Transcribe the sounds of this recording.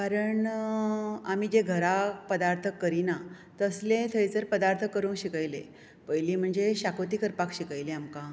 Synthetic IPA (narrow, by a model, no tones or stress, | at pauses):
kaɾəɳ | amid͡ʑeɡʱəɾapəd̪aɾt̪ʰəkːəɾina | t̪əslẽt̪ʰəjd͡zəɾpəd̪aɾt̪ʰəkːəɾuːŋkɕikajle | pəjliːm̤əɳd͡zeɕakot̪iːkəɾpakɕikajleamka